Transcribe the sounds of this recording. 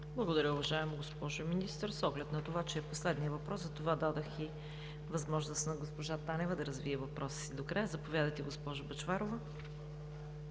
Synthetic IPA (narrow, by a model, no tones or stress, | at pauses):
blˠɐɡod̪ɐɾʲəʊvɐʒaɛmoɡospɔʒʊminist̪əɾsɔɡlɛt̪nɐt̪ovat͡ʃɛːposlɛd̪nijəvɐpɾɔszɐt̪ovad̪ad̪oxi | vɐzmɔʒnost̪nɐɡospoʒat̪anɛvɐd̪ɐɾɐzviɛvɐpɾɔsi̥sid̪okɾajəzɐpovʲjad̪ɐjt̪ɛɡospɔʒʊbɐt͡ʃvaɾovə